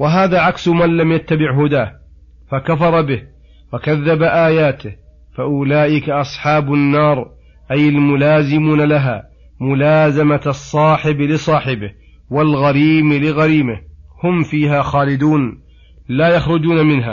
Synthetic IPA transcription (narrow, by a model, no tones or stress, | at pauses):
waɦaːðaːʕaksmanlamjat̪ːabɪʕɦʊd̪aːh | fakafɑɾˤɑbɪh | wakaðːabaʔaːjaːt̪ɪh | faʔʊlaːʔɪkaʔɑsˤħɑːbʊnːɑːɾˤ | ʔajalmʊlaːzɪmuːnalaɦaː | mʊlaːzamasˤːɑːħɪblɪsˤɑːħɪbɪh | walɣaɾiːmlɪɣaɾiːmɪhhʊmfiːɦaxaːlɪd̪uːn | laːjaxɾˤʊd͡ʒuːnamɪnɦa̰ː